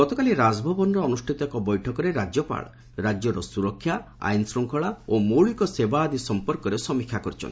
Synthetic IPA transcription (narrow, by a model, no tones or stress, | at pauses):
ɔt̪ɔkaliɾad͡ʒbʱɔbɔnɔɾɔːnusʈʰit̪ɔkɔbɔjʈʰɔkɔɾeɾad͡ʒɔpa̰ɭɔ | ɾad͡ʒjɔɾɔsuɾɔkʰːjaa̰jnsɾɔŋkʰɔɭaomoɭikɔsebaːd̪isɔmpɔɾkɔɾesɔmikʰːakɔɾit͡ʃʰɔnt̪i